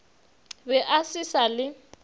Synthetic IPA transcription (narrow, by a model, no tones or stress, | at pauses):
bɛʔasisalɪ